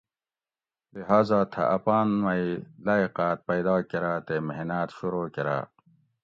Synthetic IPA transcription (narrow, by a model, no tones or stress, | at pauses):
liɦaːzaːt̪ʰɐ̰ʔɐpaːnmɐjlaːiqaːt̪̚pɐjd̪ɑːkeɾaːt̪emeɦnaːt̪ɕuɾoːkeɾa̰ː